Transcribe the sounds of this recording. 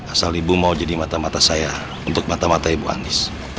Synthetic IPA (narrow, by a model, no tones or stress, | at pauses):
asalibumaud͡ʒadimat̪amat̪asaja | unt̪ʊk̚mat̪amat̪aibua̰nɪs